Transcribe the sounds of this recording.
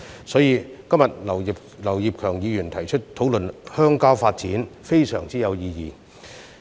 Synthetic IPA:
sɔː˨˥jiː˨˧kɐ˥mjɐ˨t̚lɐ˨˩wi˨p̚ | lɐ˨˩wji˨p̚kʰœː˨˩ŋjiː˨˧jyː˨˩nt̪ʰɐ˨˩jt͡ʃʰɵ˥t̚t̪ʰo˨˥wlɵ˨nhœː˥ŋkaː˥wfaː˧t̚t͡siː˨˥nfe˥jsœ̰ː˨˩ŋt͡siː˥jɐ˨˧wjiː˨˧jiː˨˧

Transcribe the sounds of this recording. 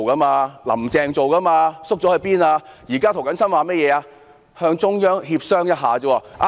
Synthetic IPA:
kɐ˥maː˧lɐ̰˨˩mt͡sɛː˨˧ŋt͡so˨wkɐ˥maː˧sʊ˥k̚t͡sɔː˨˥hɵ˧ɥpiː˥naː˧jiː˨˩kaː˥t̪ʰo˨˩wkɐ˨˥nsɐ˥nwaː˨˧mɛː˥jɛː˨˧aː˧ | hœː˧ŋt͡ʃʊ˥ŋjœː˥ŋhiː˧p̚sœː˥ŋjɐ˥t̚ɦaː˨t͡sɔː˨˥waː˧ʔa˧

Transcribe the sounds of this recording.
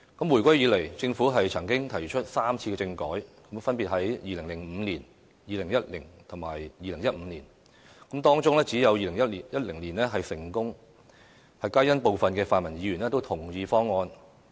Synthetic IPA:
kɐ˨˥mwu˨˩jkʷɐ˥jiː˨˧le˨˩jt͡sɪ˧ŋfuː˨˥ɦɐ˨jt͡sʰɐ˨˩ŋkɪ˥ŋt̪ʰɐ˨˩jt͡ʃʰɵ˥t̚saː˥mt͡sʰiː˧kɛ˧t͡sɪ˧ŋkɔː˨˥jkɐ˨˥mfɐ˥npiː˨t̚ɦɐ˨˥jjiː˨lɪ˨˩ŋlɪ˨˩ŋm̩ː˨˧liː˨˩n | jiː˨˧lɪ˨˩ŋjɐ˥t̚lɪ˨˩nt̪ʰʊ˨˩maː˨˩jːiː˨lɪ˨˩ŋjɐ˥t̚m̩ː˨˧nliː˨˩n | kɐ˨˥mt̪ɔː˥ŋt͡sʊ˥ŋlɛː˥t͡siː˨˥jɐ˨˧wjiː˨lɪ˨˩ŋjɐ˥t̚li˨˩jɐ˥t̚lɪ˨˩ŋliː˨˩nlɛː˥ɦɐ˨jsɪ˨˩ŋkʊ˥ŋ | hɐ˨jkaː˥jɐ˥npo˨wfɐ˨nkɛː˧faː˨nmɐ˨˩njiː˨˧ɥyː˨˩nɛː˥t̪o˥wt̪ʰʊ˨˩ŋjiː˧fɔː˥ŋːɔː˧n

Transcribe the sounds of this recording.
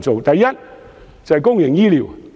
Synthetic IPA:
nt͡so˨wt̪ɐ˨jːɐ˥t̚ | t͡sɐ˨hɛ˨jkʊ˥ŋjɪ˨˩ŋjiː˥li˨˩w

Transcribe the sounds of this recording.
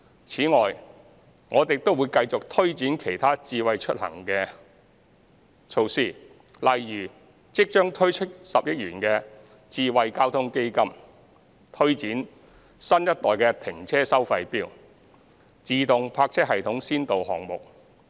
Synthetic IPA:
t͡sʰiː˨˥ŋɔː˨˩j | ŋʔɔː˨˧t̪e˨˩t̪o˥wu˨˧jkɐ˧jt͡sʊ˨k̚t̪ʰɵ˥ɥt͡siː˨˥nkʰe˨˩jt̪ʰaː˥t͡siː˧wɐ˨jt͡ʃʰɵ˥t̚hɐ̰˨˩ŋkɛ˧ | t͡ʃʰo˧wsiː˨˩ | lɐ˨jːyː˨˩ | t͡sɪ˥k̚t͡ʃœː˥ŋt̪ʰɵ˥ɥt͡ʃʰɵ˥t̚sɐ˨p̚jɐ˥t̚jyː˨˩nkɛː˧ | t͡siː˧wɐ˨jkaː˥wt̪ʰʊ˥ŋke˥jkɐ˥m | t̪ʰɵ˥ɥt͡siː˨˥n | sɐ˥njɐ˥t̚t̪ɔː˨jkɛː˧t̪ʰɪ˨˩ŋt͡sʰɛː˥sɐ˥wfɐ˧jpiː˥w | t͡siː˨˧t̪ʊ˨ŋpʰaː˧k̚t͡sʰɛ˥k̚hɐ˨jt̪ʰʊ˨˥ŋsiː˥nt̪o˨whɔ̰ː˨˩ŋmʊ̰˨k̚

